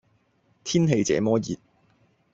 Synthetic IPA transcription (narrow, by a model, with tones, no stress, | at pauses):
t̪ʰiː˥nɦe˧jt͡sɛ̰ː˨˥mɔː˥jḭː˨t̚